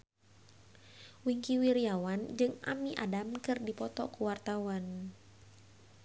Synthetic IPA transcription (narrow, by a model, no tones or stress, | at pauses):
wiŋkiwiɾiawand͡ʒɨŋʔa̰miʔa̰damkɨrdipɔt̪ɔkuwart̪awan